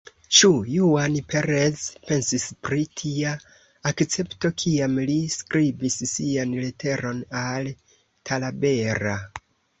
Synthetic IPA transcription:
t͡ʃujuanpʰe̞ɾezpe̞nsispɾitʰiaː | kt͡se̞pto̞kʰiamliskɾibissianletʰe̞ɾo̞nal | tʰalabe̞ɾa

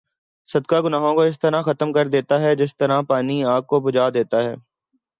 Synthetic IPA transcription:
sɐd̪kaɡʊnaːɦõkoɪs̬t̪ɐɾaxɐt̪əmkɐɾd̪eːt̪aɦɛd͡ʒɪst̪ɐɾapaːniaːɡ̚kobʊd͡ʒaːd̪eːt̪aɦɛː

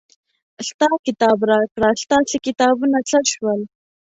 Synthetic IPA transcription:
st̪ɑkɪt̪ɑbɾɑkɽast̪ɑsekɪt̪ɑbunat͡saʃwəl

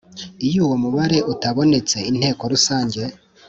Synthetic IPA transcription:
ijuwo̞muβaɾe̞ʔutaβo̞ne̞t͡se̞in̥he̞ːko̞ɾusaːɲɟe̞

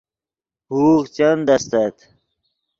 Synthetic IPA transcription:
huːqt͡ɕɐnd̪ɐst̪ɐt̪

